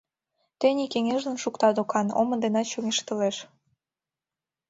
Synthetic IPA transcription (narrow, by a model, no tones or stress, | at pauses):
t̪enʲikeŋeʒd̪ə̆nʃukt̪ɑd̪okɑno̰mə̆nd̪enɑt̪t͡ɕoŋeʃt̪ə̆leʃ